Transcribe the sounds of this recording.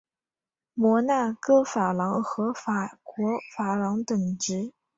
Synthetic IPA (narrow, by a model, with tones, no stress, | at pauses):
mwɔ˧˥na˥˩kɤ˥˩fa˨˩lɑ˧˥ŋxɤ˧˥fa˨˩kwɔ˧˥fa˨˩lɑ˧˥ŋt̪ə˨˩ŋʈ͡ʂɻ̩˧˥